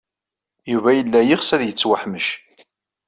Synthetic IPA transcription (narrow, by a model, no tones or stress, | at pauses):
juvæjəlːæjiʁsæðjət͡sːwaħməʃ